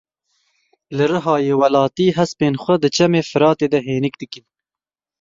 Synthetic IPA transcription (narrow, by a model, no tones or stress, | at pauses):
lɨɾɨɦɑːjeːwɐlɑːt̪iːɦɐspeːnxʷɐd̪ɨt͡ʃɐmeːfɨɾɑːt̪eːd̪ɐɦeːnɪkd̪ɨkin